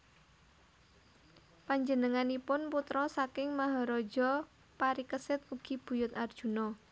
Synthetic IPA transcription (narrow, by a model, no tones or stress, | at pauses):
paɲd͡ʒənəŋanipʊnput̪ɾɔsakɪŋmaɦaɾɔd̥d͡ʒɔ | paɾikəsɪt̪̚uɡ̥i̤b̥ṳjʊt̪ard̥ʒ̥ṳnɔ